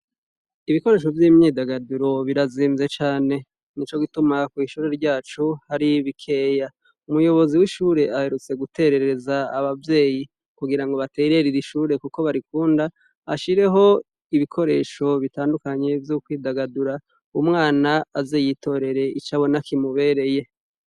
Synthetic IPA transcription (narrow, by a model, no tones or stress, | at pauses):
iβiko̞ɾe̞ːʃo̞vjiːmɲiːdaɡaduɾo̞βiɾaziːnze̞t͡ʃaːne̞ | nit͡ʃo̞ɡitumakwiːʃuɾe̞ɾɟaːt͡ʃuhaɾiβikʰe̞ːja | umujo̞βo̞ziwiʃuːɾe̞ahe̞ɾut͡se̞ɡute̞ɾe̞ɾezaːβavje̞ːji | kuɡiɾaŋɡo̞βate̞ɾe̞ɾiɾiʃuːɾe̞kuko̞βaɾikuːnda | a̰ʃiɾe̞ɦo̞ | iβikʰo̞ɾe̞̰ːʃo̞βitaːndukaɲe̞vjukwiːdaɡaduɾa | umŋaːnaːzejitʰo̞ɾe̞ɾe̞it͡ʃaβo̞nakimuβe̞ɾe̞je̞